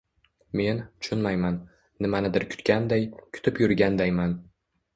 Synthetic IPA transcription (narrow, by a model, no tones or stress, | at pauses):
me̞nʊ̥t͡ʃʰʊnmajmanː | ɪmanɪd̪ɪɾkʲʰʊ̥t̪kʲand̪ajkʲʰʊ̥t̪ʰɪpjʊɾɡʲand̪ajman